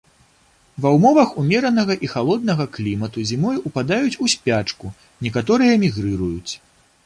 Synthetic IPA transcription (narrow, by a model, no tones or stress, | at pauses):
vɐwmɔvɐxumʲɛɾɐnɐɣɐʔixalˠɔd̪̚nɐɣɐklʲimɐt̪uzʲimɔjupad̪ajut͡sʲusʲpʲat͡ʂku | nʲɛkat̪ɔɾɨjɐmʲiɣɾɨɾujut͡sʲ